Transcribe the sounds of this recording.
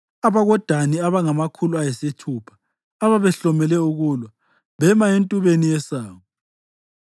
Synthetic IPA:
aβaɣɔd̥ʱaniaβaŋamakʰuluajɛsetʰupʰḁː | βaβɛɬɔmɛlɛuɣuːlwa | βɛmaentʼuβenijɛsaːwɔ

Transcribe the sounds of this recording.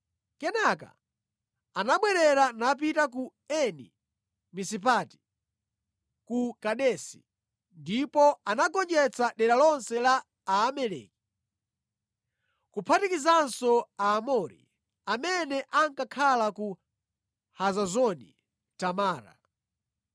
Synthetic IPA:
kɛnaka̰ | anaɓwɛɾɛɾanap̬itak̬uɛnḭ | misip̬ati̥ | kukaɗɛsi̥̰ | ndipɔanaɡɔnd͡ʒɛt͡saɗɛɗalɔnsɛlaː | mɛlɛ̰ːki̥ | kupʰatikizansɔaːmɔɾḭ | amɛnɛʔaŋkakʰalaku | hazazɔnḭ | tamaːɾa̰

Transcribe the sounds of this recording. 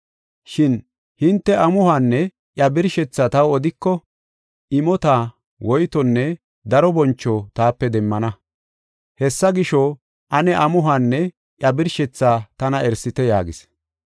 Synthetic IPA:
ʃɪn | hɪnt̪ːɛʔɐmʊhaːnːɛ | ʔjɐbɪɾʃɛt͡sːat̪ɐwɔd̪ɪkːɔ | ʔɪmɔt̪aː | wɔjt̪ɔnːɛ | d̪ɐɾɔbɔnt͡ʃːɔt̪aːpːɛd̪ɛmːɐnɐ | hɛsːɐɡɪʃɔ | ʔɐnɛʔɐmʊɦaːnːɛ | ʔjɐbɪɾʃɛt͡sːaːt̪ɐnɐɛɾsɪt̪ɛja̰ːɡɪ̰s

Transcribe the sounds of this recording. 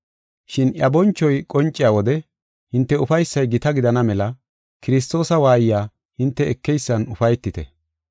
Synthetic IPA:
ʃɪnjɐbɔnt͡ʃːɔjkʼɔnt͡ʃʼːɪjaːwɔd̪ɛ | hɪnt̪ːɛʊfɐjsːɐjɡɪt̪ɐɡɪd̪ɐnɐmɛlɐ | kɪɾɪs̬t̪o̞ːsɐwaːjjaː | hɪnt̪ːɛɛkːɛjsːɐnʊfɐjt̪ːɪt̪ɛ

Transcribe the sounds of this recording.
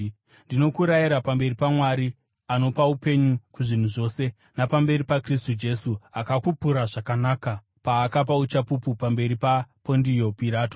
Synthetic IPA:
ndino̞kuɾajiɾapambe̞ripamwaɾi | ano̞paupe̞ɲukuʐin̤uʐo̞ːse̞ | napambe̞ɾipakristud͡ʒe̞suakakupuɾaʐakanaːka | paːkap̬aut͡ʃapupupambe̞ɾipapo̞ndio̞piɾaːto

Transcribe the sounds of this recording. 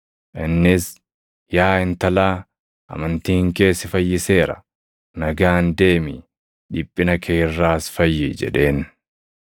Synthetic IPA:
ʔɪnːɪs | jaːɪnt̪ɐlaː | ʔɐ̰mɐnt̪iːŋke̞ːsːɪfɐjːɪse̞ːɾɐ̰ | nɐɡaːnd̪e̞ːmɪ | ᶑɪpʼːɪnɐkʰeːrːaːsfɐjːɪd͡ʒɛ̰ᶑe̞ːn

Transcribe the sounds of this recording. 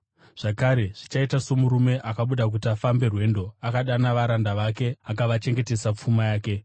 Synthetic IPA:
ʐ̥akaɾe̞ʐ̥it͡ʃaitaso̞muɾume̞ʔakaɓuɗak̬utiafambe̞rwe̞ːndo̞akaɗanaʋaɾandaʋake̞akaʋat͡ʃe̞ŋɡete̞sap͡fumajaːke̞

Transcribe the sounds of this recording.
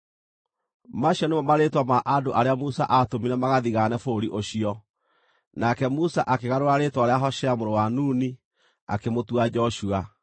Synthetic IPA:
maɕiɔnemɔmaɾetwamaʔadoʔaɾeamusa̰ʔatomiɾɛmaɣaðiɣanɛfoɾiʔoɕiɔ | nakɛmusaʔakeɣaɾoɾaɾetwaɾeaɦɔɕɛamoɾowanuːni | a̰kemotuad͡ʒɔɕua

